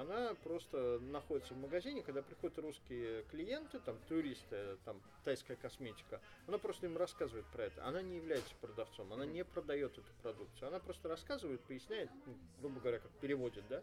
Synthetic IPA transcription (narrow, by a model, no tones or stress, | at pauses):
ɐnapɾo̞st̪ənɐxodʲɪt̪səvməɡɐzʲinʲɪkɐɡd̪apɾʲɪxo̞dʲɪt̪ruskʲɪjəklʲɪje̞nt̪ɨt̪amt̪ʊɾʲist̪ɨt̪amʲ | ɪ̥t̪ajskəjəkɐsmʲetʲɪ̥kə | ɐnapɾo̞st̪əimrɐskazɨvəɪt̪̚pɾɐɛt̪ə̰ɐ̰nanʲɪjɪvlʲæjɪt̪sə̥pɾəd̪ɐft̪so̞mɐnanʲepɾəd̪ɐjo̞t̪ɛt̪ʊ̥pɾɐd̪uk̚t̪sɨʊɐnapɾo̞st̪əɾɐskazɨvəjɪt̪̚pəjɪsʲnʲæjɪt̪̚nuɡɾubəɡəvɐɾʲakak̚pʲɪɾʲɪvo̞dʲɪt̪̚d̪a